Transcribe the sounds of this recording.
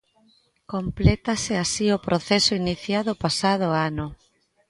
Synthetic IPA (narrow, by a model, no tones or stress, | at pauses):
komplɛt̪aseasiopɾʔoθesoiniθjaðopasað̞oanʊ